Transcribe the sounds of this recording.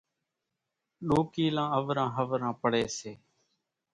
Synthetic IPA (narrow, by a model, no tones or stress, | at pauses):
ɗoːkiːlãːəʋɾãːɦəʋɾãːpəɽeːseː